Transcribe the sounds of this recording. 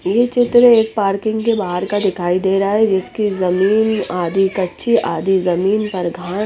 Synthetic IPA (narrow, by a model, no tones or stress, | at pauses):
jet͡ʃɪt̪ɾeːk̚paːɾkɪ̃ŋɡkebaːɦəɾkad̪ɪkʰaːid̪eːɾaaɦɛd͡ʒɪskizɐmiːnaːd̪ikɐtːʃʰiʔaːd̪izɐmiːnpɐɾɡʱãː